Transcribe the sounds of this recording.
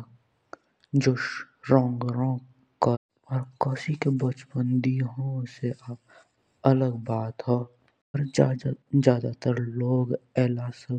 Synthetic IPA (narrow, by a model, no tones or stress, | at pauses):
d͡ʒʊʃɾɔ̃ːŋɡɾõ | ka | ɔɾkɔːsikebət͡ʃpənd̪iɦõseʔa | ələɡbaːt̪ɦo | ɔɾ | zjaːd̪at̪əɾloːɡɛːlasə